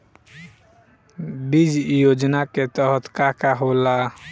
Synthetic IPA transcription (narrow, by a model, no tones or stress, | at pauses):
bid͡ʒjod͡ʒnaket̪əɦət̪kakaɦola